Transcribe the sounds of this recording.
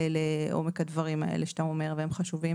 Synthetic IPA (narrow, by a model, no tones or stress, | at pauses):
leʔo̞̰mekad̪vaʁima̰ḛlʔeʃt̪amome̞ʁveemχaʃuvi